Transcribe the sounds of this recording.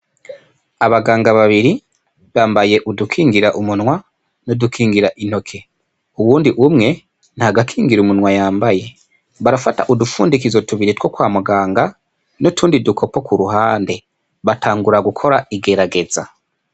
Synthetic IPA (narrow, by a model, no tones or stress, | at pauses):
aβaɡaːŋɡaβaβiɾi | βaːmbaje̞ʔudukʰiːŋɡiɾaʔumunŋwa | nodukʰiːŋɡiɾaʔin̥o̞kʰe̞ | uwuːndiʔumŋe̞ | nhaɡakʰiːŋɡiɾumunwajaːmbaje̞ | βaɾafata̰ʔudufṵːndikizo̞tuβiɾitwo̞kwaːmuɡaːŋɡa | notʰuːndidukʰo̞po̞kuɾuɦaːnde̞ | βatʰaːŋɡuɾaɡukʰo̞ɾaiɡe̞ɾaɡe̞za̰